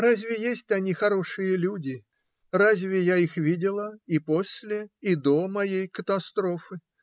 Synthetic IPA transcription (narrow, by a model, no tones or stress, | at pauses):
razʲvʲɪjesʲtʲɐnʲixɐɾo̞ʂɨjəlʲudʲɪ | razʲvʲɪjaixvʲidʲɪlˠəipo̞sʲlʲɪid̪o̞mɐjejkət̪ɐst̪ɾo̞fɨ